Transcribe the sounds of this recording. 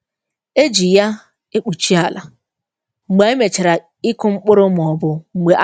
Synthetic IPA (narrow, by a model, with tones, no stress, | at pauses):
e˦d͡ʒi˨ja˦ | e˦k͡pu˨t͡ʃi˦a˨la˨ | ŋ͡m̩˨ɡ͡be˨˦e˦me˨t͡ʃe˨ɾa˨ | i˦kʊ˦ŋ͡m̩˦k͡pʊ˦ɾʊ˦m˨ɔ˨bʊ˨ŋ͡m̩˨ɡ͡be˨ʔ